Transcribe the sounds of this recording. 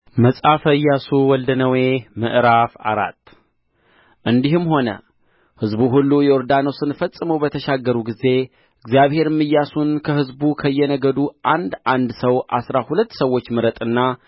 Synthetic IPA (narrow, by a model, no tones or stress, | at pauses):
məsʼafəjːasuwɔld̪ənəwemɨ̰ʔɾafa̰ɾa̰t̪ː | ʔɨnd̪ihɨmho̞nə̰ | hɨzbuɦulːujɛɔɾd̪anosɨnfəsʼːɨməwbət̪ʰəʃaɡːəɾuɡize̞ | ɨɡzjaβhe̞ɾmːɨjːasunkʰəhɨzbukʰəɨjːɛnəɡəd̪uʔand̪ʔand̪səwʔa̰sɾahulət̪ːsəwːo̞t͡ʃːmɨɾət̪ʼɨnːa